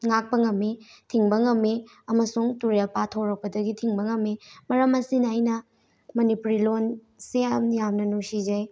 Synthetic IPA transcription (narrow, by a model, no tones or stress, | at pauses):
ŋak̚pɐŋɐmːetʰiŋbɐŋɐmːe | ɐmɐsuŋtuɾelpatʰoɾɐk̚pɐdɐɡitʰiŋbɐŋɐmːemɐɾɐmɐsinajnɐ | mɐnipuɾilon | seɐmjamnɐnusid͡ʒɐj